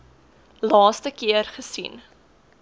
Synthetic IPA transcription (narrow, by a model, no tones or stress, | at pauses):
lɑːstəkiərχəsḭn